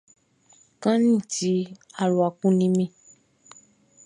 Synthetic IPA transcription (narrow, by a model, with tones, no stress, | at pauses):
kã˦nĩ˦˨ti˨˦a˨ɾu˨a˨kũ˨˦nĩ˦mĩ˧˦